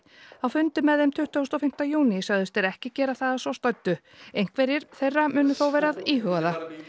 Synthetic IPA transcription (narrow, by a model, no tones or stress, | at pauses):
awfʏnt̪ʏmɛðɪmt̪ʰʏht̪ɔwst̪ɔfɪm̥t̪ajuːnisaɣðʏst̪ɛɾɛhcɪcɛːɾaθaðasvɔst̪œɥt̪ːʏ | ejŋ̥kvɛɾjɪɾ̥θejrːamʏːnʏθowvɛːɾaðiːɦʏɣaða